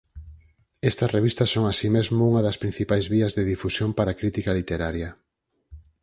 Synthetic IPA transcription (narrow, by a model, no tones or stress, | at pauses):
ɛst̪ɐsreβ̞ist̪ɐsːoŋasimezmʊuŋɐðɐspɾin̟θipajzβiɐzðeðifusjompaɾakɾit̪ikɐlit̪eɾaɾjɐ